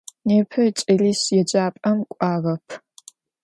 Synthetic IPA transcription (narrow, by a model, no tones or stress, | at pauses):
neːpʰɐt͡ʃʼɐriːɕjɛd͡ʒʼaːpʼɐmkʷʼaːʁɐpʰ